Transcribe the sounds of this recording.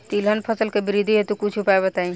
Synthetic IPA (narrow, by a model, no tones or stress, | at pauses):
t̪ilɦənpʰəsəlkebiɾid̪ʱiɦet̪ũkut͡ʃʰupajbət̪aĩ